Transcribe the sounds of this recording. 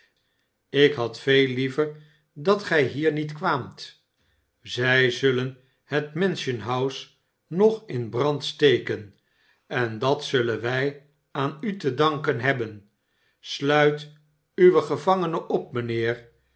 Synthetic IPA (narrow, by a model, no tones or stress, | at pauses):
ɪkɦɑtfejlivər | dɑtχɛjɦiːɹnitkʋaːmt | zɛjzɵlən | ətmɛnʃənɦɑws | nɔχɪnbrɑntstejkən | ɛndɑtsɵlənʋɛj | aːnytədɑŋkənɦɛbən | slœɥt | yʋəχəvɑŋənəʔɔp̚mənɪːɹ